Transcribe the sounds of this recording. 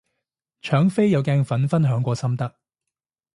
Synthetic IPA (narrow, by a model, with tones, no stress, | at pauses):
t͡ʃʰœː˨˥ŋfe˥jjɐ˨˧wkɛː˧ŋfɐ˨˥nfɐ˥nɦœː˨˥ŋkʷɔː˧sɐ˥mt̪ɐ˥k̚